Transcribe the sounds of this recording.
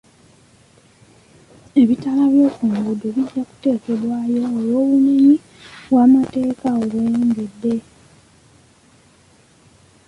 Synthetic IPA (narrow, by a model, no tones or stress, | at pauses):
e̞βitalaβjo̞ːkuːŋɡudoβiɟaku̥te̞ːke̞dwaːjo̞ːlo̞ːβumeɲi | βwaːmate̞ːkaoβweeːŋɡe̞dːe̞